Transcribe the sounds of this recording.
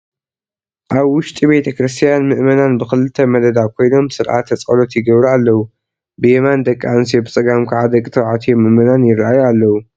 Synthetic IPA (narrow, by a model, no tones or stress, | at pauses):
ʔaβwʊʃt̪ʼibejt̪ʰɐkɾɨst̪ʰijanmɨʔmɐnanbɨxɨlɨt̪ʰːɐmɐd̪ɐd̪akʰo̞jno̞msɨɾʔa̰t̪ʰːɐt͡sʼɐlo̞t̪jɪɡɐβɾaalːɐwu | bɨjɛmand̪ɐkʼːansijobɨt͡sʼɐɡamkʰaʕad̪ɐkʼːt̪ʰɨɾʕat̪ʰijomːɨʔmɐnanjɪrʔajualːɐwu